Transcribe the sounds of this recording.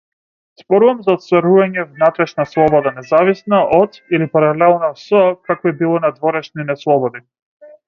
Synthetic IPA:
z̥bɔɾuvamzaɔt̪st̪vaɾuvaɲɛvnat̪ɾɛʃnaslˠɔbɔd̪anɛzavisnaʔɔt̪ilipaɾalɛlˠnɔsɔkakɔɛbilˠɔnad̪vɔɾɛʃninɛslˠɔbɔd̪i

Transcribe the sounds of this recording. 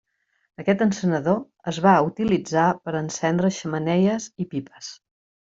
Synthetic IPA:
əkɛt̪ənsənəðo | əzβaut̪ilid͡zapəɾənsɛnd̪ɾəʃəmənɛjəzipipə̥s

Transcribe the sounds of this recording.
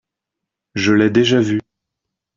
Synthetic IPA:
ʒəlɛd̪eʒavy

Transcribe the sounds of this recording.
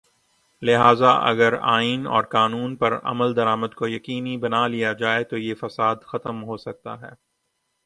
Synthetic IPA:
lɪɦaːzaʔɐ̰ɡəɾa̰ːinɔ̰ːɾkaːnuːnpɐɾɐ̰məld̪ɐɾaːməd̪kojɐkiːnibɐnalijad͡ʒaːet̪ojefɐsaːd̪xɐt̪əmɦoːsɐk̚t̪a̰ɦɛ̰ː

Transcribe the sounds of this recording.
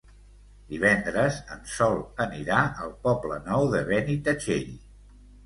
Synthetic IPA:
d̪iβɛnd̪ɾəzənsɔlˠəniɾaəlˠpɔblənɔwðəβ̞ɛnit̪ət͡ʃeʎ

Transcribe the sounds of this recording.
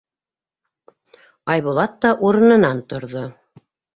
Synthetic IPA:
ɑjβulˠɑt̪ːɑʔuɾɤ̆nɤ̆nɑnt̪ŏɾðo

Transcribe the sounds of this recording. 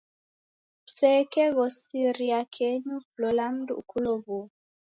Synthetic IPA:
sɛkɛβɔsiɾiakʰɛɲuplɔlam̩dṵukʰuloβu

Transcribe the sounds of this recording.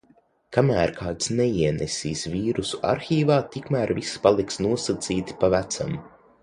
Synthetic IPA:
kamæːɾkʰaːt̪snɛiɛnɛsʲiːsviːɾusua̰ɾxʲiːvaːt̪ikmæːɾvispalˠiksnuɔsat̪siːt̪i̥pavæt̪sa̰m

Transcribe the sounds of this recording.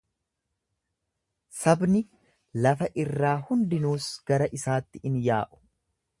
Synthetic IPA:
sɐbnɪ | lɐfɐʔɪrːaːhʊnd̪ɪnuːsɡ̥ɐɾɐʔɪsaːt̪ːɪɪnjaːʔʊ̥

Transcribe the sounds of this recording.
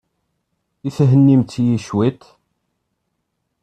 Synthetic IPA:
iθɦənːimt͡s̪ːjiʃwit̪

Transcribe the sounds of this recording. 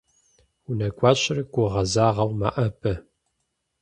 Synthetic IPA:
unɐɡʷʼɑːɕɪrɨɡʷʊʁɐzaːʁɐwma̰ʔɐpʰʼɐ

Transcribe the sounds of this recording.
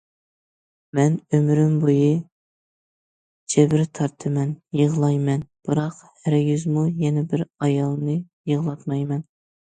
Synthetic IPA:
mɛnømɾymbojɨ | d͡ʒʰɛbɪɾt̪ʰɑɾt̪ʰɨmɛnjəʁlˠɑjmɛnb̥ɨɾɑqhæɾjyzmujɛnɛbɪɾɑjɑlˠnɨjəʁlˠɑt̪mɑjmɛn

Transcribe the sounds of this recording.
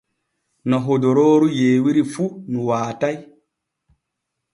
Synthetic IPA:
nɔɦodoɾoːɾujeːwiɾifunuwaːtaj

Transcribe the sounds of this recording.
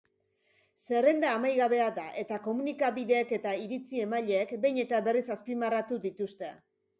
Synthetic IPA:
se̞re̞nd̪aːmajɣaβe̞aðaʔe̞t̪ako̞munikaβiðe̞ːke̞t̪aiɾit͡sie̞maʎeːkbe̞jɲe̞t̪aβe̞risaspimarat̪uðit̪ust̪e̞̰

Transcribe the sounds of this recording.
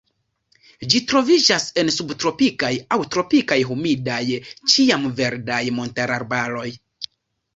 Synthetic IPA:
d͡ʒitɾo̞vid͡ʒase̞nsubtɾo̞pikajawtɾo̞pikajɦumidajt͡ʃiamve̞ɾdajmo̞ntaɾaɾbaɾo̞j

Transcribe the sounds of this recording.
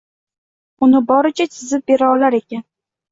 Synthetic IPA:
ʊnɪbɒɾɪt͡ʃʰat͡ʃʰɪzɪp̚be̞ɾaɒlaɾe̞kʲan

